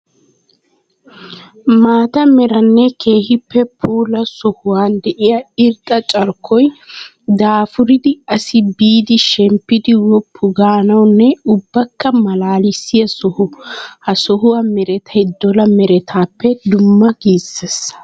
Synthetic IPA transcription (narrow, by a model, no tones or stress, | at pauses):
maːt̪ɐmɛɾɐnːɛkeːhɪpːɛpʰuːlɐsɔhʊwaːnd̪ɛʔɪjɐɪɾt̪ʼːɐt͡ʃʼɐɾkʰːɔj | d̪aːfʊɾɪd̪ɪɐsɪbiːd̪ɪʃɛmpːɪd̪ɪwɔpʰːʊɡaːnɐwnːɛʊbːɐkːɐmɐlaːlɪsːɪjɐsɔhʊhɐsɔɦʊwaːmɛɾɛt̪ʰɐjd̪ɔlɐmɛɾɛt̪ʰaːpːɛd̪ʊmːɐɡiːsɛs